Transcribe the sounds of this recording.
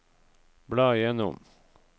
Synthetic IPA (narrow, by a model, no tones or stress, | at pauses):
bɽɑːɪjɛnʊ̰m